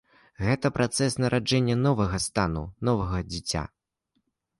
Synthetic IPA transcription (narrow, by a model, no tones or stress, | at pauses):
ɣɛt̪ɐpɾʔat̪sɛsnɐɾʔad͡ʐɛnʲːɐnɔvɐɣɐst̪anṵnɔvɐɣɐd͡zʲit͡sʲa̰